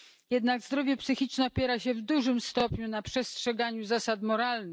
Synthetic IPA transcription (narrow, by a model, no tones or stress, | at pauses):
jɛd̪naɡzd̪ɾɔvʲjɛpsɘxʲit͡ʂnɛɔpʲjɛɾaɕɛvd̪uʐɘmst̪ɔpɲunapʂɛstʂɛɡaɲuzasat̪mɔɾalnɘx